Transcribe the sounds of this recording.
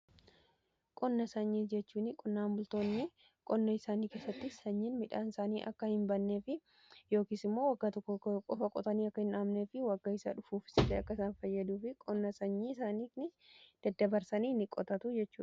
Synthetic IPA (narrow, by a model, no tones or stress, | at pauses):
kʼɔnːɐsɐɲːiːd͡ʒɛt͡ʃːuːnɪkʼɔnːaːmbʊlt̪o̞ːnːɪ | kʼɔnːɐɪsaːniːke̞ːsːɐt̪ːɪsɐɲːɪnmɪᶑa̰ːnɪsaːniːʔɐ̰kːɐhɪmbɐnːe̞ːfɪ | jo̞ːkiːsɪmːo̞ːwɐɡːaːt̪ɔkːɔkʼɔfɐkʼɔt̪ɐniːɐkːɐhɪnaːmneːfɪwɐɡːɐɪsa̰ᶑʊfuːfɪ̥sɪd̪eːɐkːɐsaːnfɐjːɐd̪uːfɪkʼɔnːɐsɐɲːiːɪsaːniːnɪd̪̥ɐd̪ːɐbɐɾsɐniːnɪkʼːɔt̪ɐt̪ʊd͡ʒɛt͡ʃːṵːᶑɐ̥